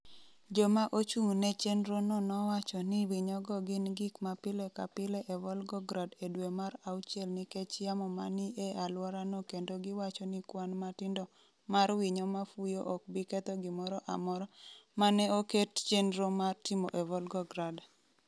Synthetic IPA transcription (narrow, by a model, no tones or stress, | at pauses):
d͡ʒɔmaʔot͡ʃuŋnɛt͡ʃenɾonɔnɔwat͡ʃɔnɪwɪɲɔɡɔɡɪnɡɪkmapɪlɛka̰pɪlɛʔɛvɔlɡɔɡɾadedwemaɾaut͡ʃɛlnɪkɛt͡ʃjamɔmaniealwɔɾanokendoɡɪwat͡ʃɔnɪkwanmatɪndɔ | maɾwiɲɔmafujoʔɔk̚bɪkɛt̪ɔɡɪmɔɾɔʔa̰mɔɾɔmanɛokett͡ʃenɾomartɪmoʔɛvɔlɡɔɡɾad